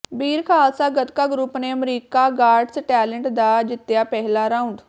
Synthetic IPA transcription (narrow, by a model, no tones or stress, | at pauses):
biːɾkʰaːsaːɡət̪kaːɡɾʊpneːəmɾiːkaːɡaːɾɖsʈɛːləɳʈd̪aːd͡ʒɪt̪ːjaːpɛɦlaːɾaːʊɳɖ